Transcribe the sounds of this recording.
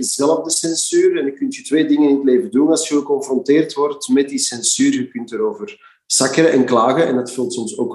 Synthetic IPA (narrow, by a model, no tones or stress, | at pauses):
ɪzɛləvdəsɛnsyːɾɛnəkːʏntytʋeːdɪŋənɪnətleːvədunɑlˠsəəkɔnfrɔnteːrtʋɔrtmɛt̚disɛnsyːrɣəkʏntəɾoːvər | sɑkəɾəʔɛnklaːɣəɛndɑtfəlˠtsɔmsoːk